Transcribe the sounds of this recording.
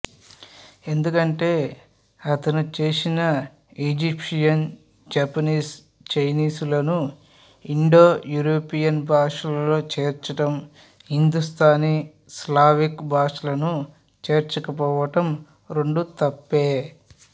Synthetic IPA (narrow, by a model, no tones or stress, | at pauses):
e̞nd̪ukɐɳʈe̞ː | ɐt̪ɐnut͡ʃeːsinɐ | id͡ʒipʂijɐn | d͡ʒɐpɐniːs | t͡ʃɐjniːsulɐnu | iɳɖo̞ːjuːɾoːpijɐnbʱaːʂɐlɐlo̞ːt͡ʃeːɾt͡ʃɐʈɐm | ɦind̪ust̪ʰaːni | slaːʋikbʱaːʂɐlɐnu | t͡ʃeːɾt͡ʃɐkɐpɔːʋɐʈɐm | ɾe̞ɳɖut̪ɐpːeː